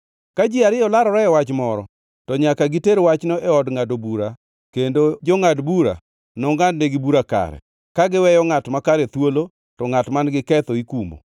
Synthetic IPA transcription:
kad͡ʒɪaɾɪɔlaɾɔɾɛɛwat͡ʃmɔɾɔ̰ | tɔɲakaɡiteɾwat͡ʃnoʔɛɔdŋadobuɾa | kendod͡ʒɔŋadbuɾa̰ | nɔŋɡadneɡɪbuɾaka̰ɾɛ̰ | kaɡɪwɛjɔŋatmakaɾɛt̪wolo | tɔŋatmanɡɪkɛt̪ɔikumbo̰

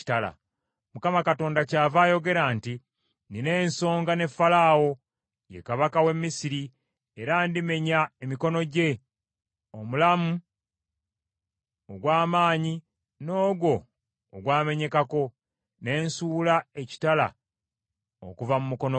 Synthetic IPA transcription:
tala̰ | mukamakato̞ːndacaːvaːjo̞ɡe̞ɾaːnti | nine̞ːnso̞ːŋɡane̞fːalaːwo̞ | jekaβakawe̞mːisiɾi | eɾaːndime̞ɲaemiko̞no̞ɟe̞ | o̞mulamu | oɡwaːmaːɲi | no̞ːɡo̞ː | ɡwaːme̞ɲe̞kako̞ | ne̞ːnsuːlae̞ci̥tala̰ | o̰kuvamumuko̞no

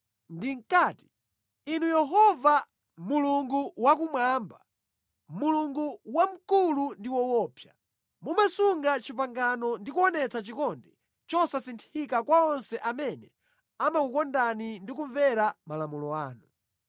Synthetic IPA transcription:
ndiŋ̩kaːti̥ | inujɛɦɔva | muluŋɡuwakumwaːmba | muluŋɡuwam̩kulundiwɔwɔːpja | mumasuŋɡat͡ʃipaŋɡanɔndikuɔnɛt͡sat͡ʃikɔndɛ | t͡ʃɔsasintʰikakwaɔnsɛʔamɛnɛ | amakukɔndanindik̬uɱvɛɾamalamulɔaːnu

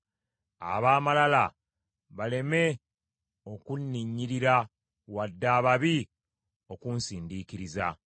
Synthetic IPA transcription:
a̰βaːmalala | βale̞me̞ | o̞kunːiɲːiɾiɾa | wadːaːβaβi | o̞kunsiːndiːkiɾiza̰

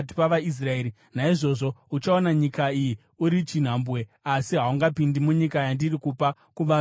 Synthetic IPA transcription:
i̥paʋais̬rae̞ːɾi | naiʐo̞ʐo̞ut͡ʃaonaɲikaiji | uɾit͡ʃin̤ambwe̞ | asiɦauŋɡapindimuɲikajandirikupa | kuʋa

